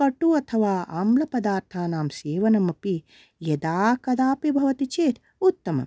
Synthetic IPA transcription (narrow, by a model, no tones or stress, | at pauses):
ɐʈːuɐt̪ʰɐʋaːaːmlɐpɐd̪aːɾt̪ʰaːnaːmseːʋɐnɐmɐpi | jɐd̪aːkɐd̪aːpibʱɐʋɐt̪it͡ʃeːt̪ʰ | ut̪ːɐmɐ̰